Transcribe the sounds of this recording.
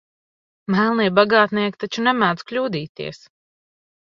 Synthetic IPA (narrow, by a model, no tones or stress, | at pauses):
mælˠniɛbaɡaːt̪niɛkt̪at͡ʃunɛmæːd̪z̥klʲuːd̪iːt̪iɛs